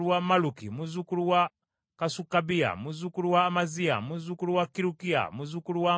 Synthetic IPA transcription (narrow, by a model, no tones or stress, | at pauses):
uwamalukḭmuzukuɾuwa | kasukabia̰muzukuɾuwaːmazia̰muzukuɾuwakiɾukia̰muzukuɾuwa